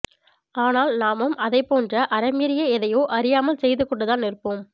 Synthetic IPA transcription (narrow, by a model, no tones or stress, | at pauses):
aːnaːlnaːmɯmɐðɐɪpːoːndrɐʔɐɾɐmɪɾɪjɐɛðɐjoːʔɐɾɪjaːmɐlsɛjðɯkːɔɳɖɯðaːnɪrpoːm